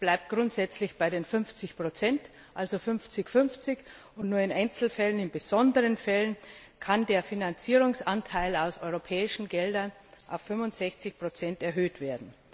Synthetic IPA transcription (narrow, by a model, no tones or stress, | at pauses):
b̥laɪp̚t̚ɡ̥ʁʊntz̥ɛt͡slɪçb̥aɪɾeːnfʏnft͡sɪçpʁ̥ot͡sɛnt | ʔalzofʏnft͡sɪçfʏnft͡sɪç | ʊntnuːɐɪnʔaɪnt͡sl̩fɛlənɪnbəz̥ɔndəʁənfɛlən | kʰandeːɐfinant͡siːʁ̞ʊŋsʔantʰaɪlaʊsʔɔʏʁopʰɛːɪʃn̩ɡɛldɐn | ʔaʊfːʏmvʊntz̥ɛçt͡sɪçpʁ̥ot͡sɛntɛɐɦøːtv̥eːɐdn̩